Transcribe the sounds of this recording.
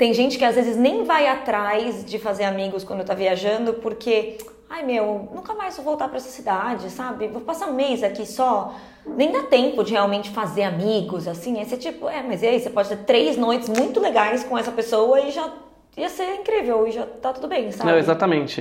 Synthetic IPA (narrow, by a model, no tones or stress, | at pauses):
t̪ẽj̃ʒẽnt͡ʃɪ̥kɪazvezɪznẽj̃vajat̪ɾajzd͡ʒɪfazeɾamiɡʊskwɐ̃d̪ʊewt̪aviaʒɐ̃nd̪ʊpoɾkʰe | ajmewnũŋkɐmajsvowt̪aɾpɾɐɛsɐ̥sid̪ad͡ʒɪsabɪvopasaũmejzakisɔ | nẽj̃d̪at̪ẽmpʊd͡ʒɪheawmẽnt͡ʃɪfazeɾamiɡʊzasĩɛset͡ʃipʊɛmɐziɐisepɔd͡ʒɪseɾt̪ɾejznojt͡ʃɪzmũj̃t̪ʊleɡajskõɛsɐpesowɐɪʒa | iɐseĩŋkɾivewɪʒat̪at̪ud̪ʊbẽj̃sanɐb̃w̃ezat̪ɐmẽnt͡ʃɪ